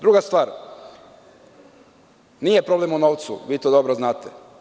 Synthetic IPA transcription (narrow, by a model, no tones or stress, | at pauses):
d̪ɾuɡast̪ʋaːɾ | nijepɾo̞ble̞munoːʋt̪sṵʋiːt̪od̪o̞bɾoznaːt̪e